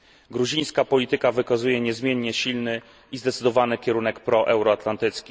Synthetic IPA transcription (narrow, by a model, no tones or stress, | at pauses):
ɡɾuʑĩj̃skapɔlʲit̪ɘkavɘkazujɛɲɛzmʲjɛɲːɛɕilnɘ | izd̪ɛt̪sɘd̪ɔvanɘkʲɛɾunɛkpɾɔʔɛwɾɔat̪lant̪ɘt̪skʲi